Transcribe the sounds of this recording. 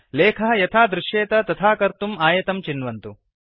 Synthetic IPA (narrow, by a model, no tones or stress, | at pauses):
leːkʰɐɦɐjɐt̪ʰaːd̪ɾuʃjeːt̪ɐt̪ɐt̪ʰaːkɐɾt̪umaːjɐt̪ɐmt͡ʃinʋɐnt̪u